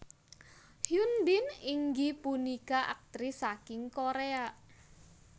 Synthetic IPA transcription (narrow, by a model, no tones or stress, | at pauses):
hjunbɪniŋɡipunikaʔa̰k̚t̪ɾisakɪŋkoɾea